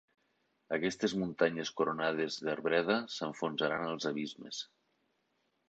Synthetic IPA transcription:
əkɛst̪ezmunt̪aɲeskuɾonað̞ezðəɾβɾɛðəsəɱfunzaɾanəlˠzəβizmḛs

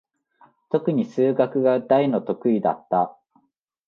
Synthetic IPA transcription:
t̪o̞kɯ̟ɲ̟isɨːɡakɯ̟ɡad̪aino̞t̪o̞kɯ̟id̪a̰t̪ːa

